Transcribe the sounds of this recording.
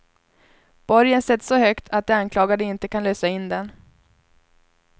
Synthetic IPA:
b̥ɔɾjənsɛt̪ːsɔhœkt̪ʰat̪̚d̪ɛankʰlɑːɡad̪əɪnt̪əkʰanløːsaɪnd̪ɛn

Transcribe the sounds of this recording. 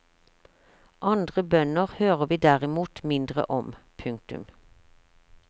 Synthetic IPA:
ʔɑnd̪ʁəbœnəʁhøːʁəʋiːd̪æʁɪmuːt̪mɪnd̪ʁə̰ʔɔmpʰʉŋk̚t̪ʉ̰m

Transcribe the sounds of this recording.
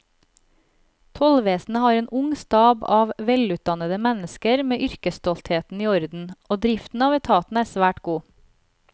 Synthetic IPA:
t̪ʰɔlʋeːsn̩əhɑːɾeːnʔʊŋst̪ɑːbɑːʋʋɛlʉːt̪̚d̪ɑnəd̪əmɛnəskəɾmeːʔʏɾkəst̪ɔlt̪ʰheːt̪n̩iːɔɾd̪n̩ʔoːd̪ɾɪft̪n̩ɑːʋɛt̪ʰɑːt̪n̩æːsʋæːʈɡuː

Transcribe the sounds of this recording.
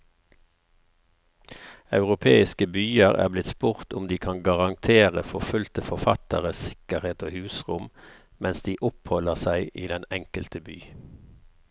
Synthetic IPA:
ɑʉʁʊpʰeːɪskəbyːəʁæ̰ːblɪt̪spʊʁt̪ʊmd̪iːkʰɑnɡɑʁɑŋt̪ʰeːʁəfɔfʉlt̪əfɔʁfɑt̪əʁəsɪ̥kəʁheːt̪oːhʉːsʁʊm | mɛnsd̪iːʔʊphɔləʁsæɪʔiːd̪ɛnɛŋkəlt̪əbyː

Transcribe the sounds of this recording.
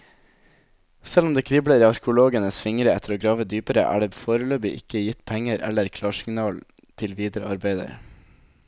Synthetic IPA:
sɛlɔmd̪eːkʰɾɪbləɾəɑɾkəʊloːɡənəsfɪŋɾəɛt̪ʰəɾoːɡɾɑːʋəd̪yːpəɾə̰ʔæ̰ːɖɛbfoːɾəløːbɪʔɪ̰kəjɪt̪pʰɛŋəɾʔɛ̰lːəɾkʰlɑːʂɪŋnɑːl | t̪ʰɪlʋiːd̪əɾəɑɾbæɪd̪ə̰ɾ

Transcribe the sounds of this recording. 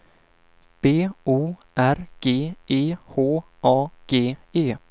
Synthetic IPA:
b̥eːuːʔæɾɡ̥eːeːhoː | ʔɑːɡ̥eːeː

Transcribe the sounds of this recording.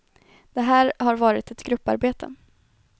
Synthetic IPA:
d̪̥ɛɦæːɾhaɾvɑːɾɪt̪ɛt̪ɡɾɵpːa̰ɾbeːt̪ʰə̰

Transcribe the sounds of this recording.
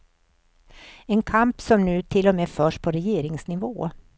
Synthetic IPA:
ɛnkʰampsɔmnʉ̟ːt̪ʰɪlːɔmeːfœːʂpʰɔɾɛjeːɾɪŋsnɪvoː

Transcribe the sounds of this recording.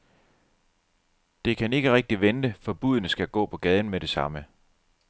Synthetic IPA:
d̥e̝kʰæne̝ɡ̥əʁɛɡ̥̚d̥iʋend̥əfɒ̽b̥uðˠnəsɡ̥æɡ̥ɔ̰̽ːpʰɒ̽ɡ̥ɛð̞ˠn̩meɾ̥e̝sɑ̈mə

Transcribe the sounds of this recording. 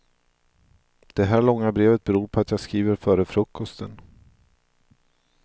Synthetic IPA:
d̪̥ɛɦæːɭɔŋːabɾeːvət̪̚bɛɾuːɾpʰɔat̪jaːɡskɾiːvəɾfœːɾəfɾɵkːɔst̪ʰən

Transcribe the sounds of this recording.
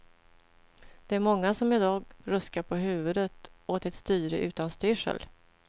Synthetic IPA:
d̪̥ɛæɾmɔŋːasɔmɪd̪ɑːɡɾɵskaɾpʰɔɦʉ̟ːvɵd̪ət̪oːt̪ɛt̪st̪yːɾəʔʉ̟ːt̪anst̪ʏːʂə̰l

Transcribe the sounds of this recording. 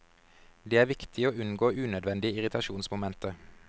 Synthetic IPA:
d̪eːæːʋɪkt̪ʰɪoːʉnɡoːʔʉːnœd̪ʋɛnd̪ɪəɪʁɪt̪ʰɑʃuːnsmʊmɛnt̪ə

